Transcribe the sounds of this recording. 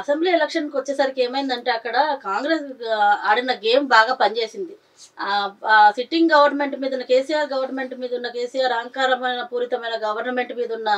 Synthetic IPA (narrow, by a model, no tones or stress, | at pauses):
ɐsembliːɛlekʂɐnkʋɐt͡ʃːeːsɐɾike̞ːmɐjind̪ɐɳʈe̞ːɐkːɐɽɐkaːŋɡɾe̞ːsɐːɽinɐɡe̞ːmbaːɡaːpɐnt͡ʃe̞ːsind̪i | siʈːiŋɡɡɐʋɐɾnɐme̞ɳʈmiːd̪ɐnːɐke̞ːsijaːɾɡɐʋɐɾnɐme̞ɳʈmiːd̪ɐunːɐke̞ːsijaːɾɐɐŋkaːɾɐmɐjnɐpuːɾit̪ɐmɐjnɐɡɐʋɐɾnɐme̞ɳʈmiːd̪ɐunːɐ